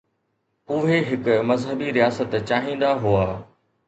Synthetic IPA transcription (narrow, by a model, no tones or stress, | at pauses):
ʊɦeɦɪkʊmɐzɦəbiɾijaːsət̪t͡ɕaːɦĩːnd̪aɦuaː